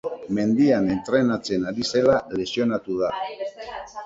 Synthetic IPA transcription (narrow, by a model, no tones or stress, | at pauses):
me̞nd̪iane̞nt̪ɾe̞nat͡se̞naɾise̞lale̞sio̞nat̪uð̞a